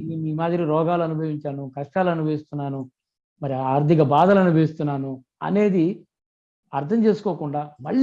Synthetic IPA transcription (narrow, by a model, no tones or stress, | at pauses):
iːmaːd̪iɾiɾɔːɡaːluɐnubʱɐʋiɲt͡ʃaːnukɐʂʈaːlɐnubʱɐʋist̪unːaːnu | mɐɾiaːɾd̪ʱikɐbaːd̪ɐlɐnubʱeːist̪unːaːnu | ɐ̰ne̞ːd̪i | ɐɾt̪ʰɐmt͡ʃe̞ːsu̥koːkuɳɖaːmɐɭː